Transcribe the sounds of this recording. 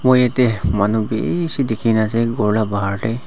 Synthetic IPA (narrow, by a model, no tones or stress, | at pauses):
mojɛtɛmanubḛsidekʰinasɛɡɔɹlabaɦaɹdɛj